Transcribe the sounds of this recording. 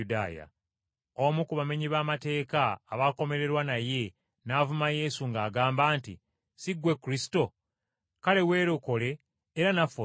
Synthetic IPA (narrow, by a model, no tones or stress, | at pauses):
uda̰ːja̰ | omukuβame̞ɲiβaːmate̞ːkaːβako̞me̞ɾe̞ɾwanaje̞ | naːvumaje̞suŋɡaːɡaːmbaːntḭ | siɡwe̞kːuɾisi̥to̞ | kale̞we̞ːɾoko̞le̞ː | ɾanafo